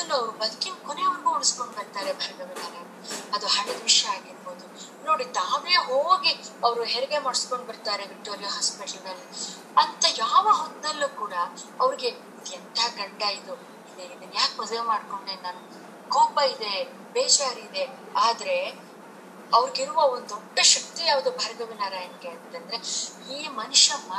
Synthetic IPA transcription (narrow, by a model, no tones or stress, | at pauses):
ɐdɐlːuɐʋɾubɐd̪ɐkinkoneuɭɡuuɽisko̞ɳɖbɐɾt̪aːɾebʱɐɾɐɡɐɡɐlale | ɐd̪uɦɐɳed̪ʋiʃjɐaːɡiɾbo̞ːd̪u | no̞ːɽit̪aːʋeɦoːɡiɐʋɐɾuɦeɾɛɡe̞mɐɽisko̞ɳɖbɐɾt̪aːɾe̞ʋik̚ʈo̞ːɾijaɦɐspeʈɐlɐlːi | ɐnt̪ɐjaːʋɐɦond̪ɐlːuːkuːɽɐɐʋɐɾiɡe̞ | id̪ɛnt̪ʰaɡɐɳɖajid̪u | id̪eid̪enjaːkmɐd̪ɐʋemaːɖko̞ɳɖenaːnu | koːpɐid̪e̞ | beːd͡ʒaːɾiːd̪e̞ | aːd̪ɐɾe̞ | ɐʋɐɾiɡiɾuʋɐond̪ɔɖːɐʃɐk̚t̪ijaːʋɐd̪uːbʱɐɾɐɡɐʋinaːɾaːjɐnkeːɾd̪it̪ɐnd̪ɐɾe̞ | iːmɐnuʃɐmːɐ